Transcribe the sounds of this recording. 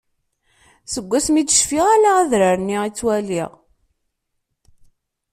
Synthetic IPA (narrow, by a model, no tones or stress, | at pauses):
səɡʷːæsmid̪əʃfiʁælaæðɾəɾniit͡sːwælḭʁ